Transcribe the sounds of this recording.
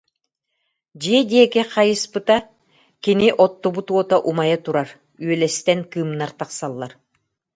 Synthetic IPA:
d͡ʑiɛd̪iɛkɛqajɯspɯt̪a | kiniʔɔt̪ːɔbut̪uɔt̪aʔumajat̪uɾaɾ | yœlɛst̪ɛŋkɯːmnaɾt̪aqsalˠːaɾ

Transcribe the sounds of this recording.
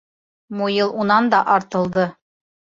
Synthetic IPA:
mujɤlˠunɑnd̪ɑʔɑɾt̪ɤ̆lˠd̪ɤ

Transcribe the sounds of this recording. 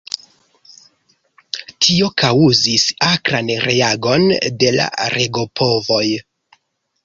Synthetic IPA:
tʰio̞kauzisakɾanɾe̞aɡo̞nde̞la̰ɾeɡo̞pʰo̞vo̞j

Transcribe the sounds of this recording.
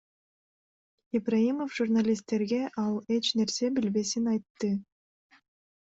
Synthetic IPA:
ibraimofʒurnalʲist̪ːe̞ɾɡe̞ʔɑlˠe̞t͡ʃne̞ɾse̞bilbe̞sinɑjt̪ːɯ

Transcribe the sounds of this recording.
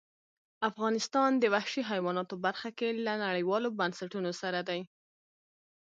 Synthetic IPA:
afɣɑnɪst̪ɑnd̪əwahʃiɦajwɑnɑt̪obaɾxakelanaɽəjwɑlobansaʈunosaɾad̪aj

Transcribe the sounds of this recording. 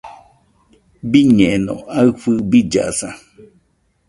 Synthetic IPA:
biɲẽenõ̰aɨɸɨbid͡ʒa̰ʔsa

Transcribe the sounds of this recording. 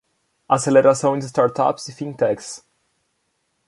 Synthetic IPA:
aseleɾasɐ̃w̃d̪is̬t̪aɾt̪a̰psifĩnt̪ɛks

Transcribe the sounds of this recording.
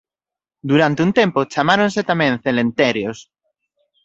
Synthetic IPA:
d̪uɾant̪eunt̪empot͡ʃamaɾõnset̪amẽnθelẽnt̪eɾjos

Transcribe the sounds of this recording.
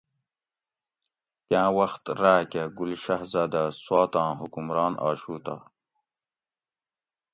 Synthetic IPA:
kãːwɐxt̪ɾaːkeɡulʃɐɦzaːd̪aswɑːt̪ɑ̃ːɦukumɾɑːnʔɑ̰ːɕuːt̪a̰

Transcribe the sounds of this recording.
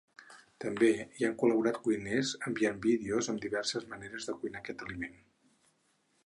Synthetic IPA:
t̪əmbeiaŋkuləβuɾat̪kujnɛzəmbiambiðeozəmd̪iβɛrsəzməneɾəzðəkujnakɛt̪əlimen

